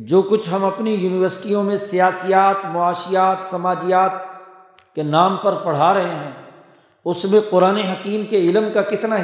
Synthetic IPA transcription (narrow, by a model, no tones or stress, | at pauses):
d͡ʒoːkʊt͡ʃʰɦɐmɐpnijuːnɪʋəɾsɪ̥ʈijõmẽsijaːsijaːt̪mʊaːʃijaːt̪sɐmaːd͡ʒijaːt̪̚ | kenaːmpɐɾpɐɽ̤aɾɐɦeɦɛ̃ː | ʊsmẽqʊɾaːneɦɐkiːmkeɪlmkakɪt̪na